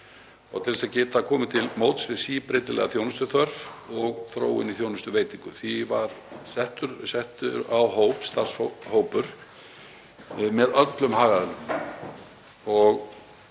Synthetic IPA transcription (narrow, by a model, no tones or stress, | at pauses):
ɔ̰ɣt̪ʰɪlsaðcɛːt̪akʰɔːmʏt̪ʰɪlmowt̪svɪsiːpɾeːjt̪ɪlɛ̰ɣaθjoːwnʏst̪ʏθœɾvɔɣθɾo̰ːwɪ̰niθjownʏst̪ʏveːjt̪iŋkʏθivaɾ̥sɛht̪ʏɾsɛht̪ʏɾawɦoːwpst̪ar̥shoːwpʏɾ̥ | mɛðœt̪lʏmhaːɣaðɛlʏm | ɔɣ